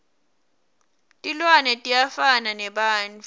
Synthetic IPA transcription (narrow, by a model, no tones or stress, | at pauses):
tʼilwanɛtʼijafananɛɓaːnt͡fʰʼ